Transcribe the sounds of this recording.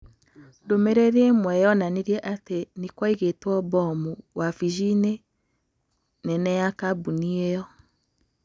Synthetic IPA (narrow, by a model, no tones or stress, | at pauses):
ndomeɾeðiemwɛjɔnaneɾjɛʔatenikwaiɣetwɔbɔmuwafiʒine | nɛnɛjakabuniejɔ